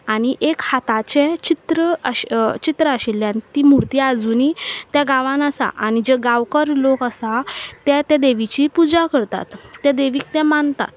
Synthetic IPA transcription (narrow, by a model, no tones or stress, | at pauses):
aɽ̃iʔekhat̪at͡ɕet͡ɕit̪ɾəəɕt͡ɕit̪ɾəəɕilːjãnit̪imuɽt̪jad͡zunit̪jaɡaʋãnəsa̰ʔañid͡ʑeɡaʋkəɾlokəsat̪ɛt̪ɛ̃d̪eʋit͡ɕipud͡zakəɾt̪a̰t̪ːɛd̪eʋiːk̚t̪ɛ̃mant̪a̰t̪